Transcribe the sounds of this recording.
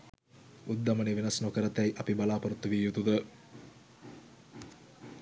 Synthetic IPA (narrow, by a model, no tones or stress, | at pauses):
ud̪ːɐmɐneʋenɐsnokəɾɐt̪ːæjʔɐpibalaːpɐɾut̪ːuʋiːjut̪ud̪ə